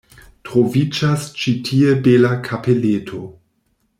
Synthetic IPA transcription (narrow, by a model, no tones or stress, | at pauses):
tʁovid͡ʒast͡ʃitʰiebelakʰapʰeletʰo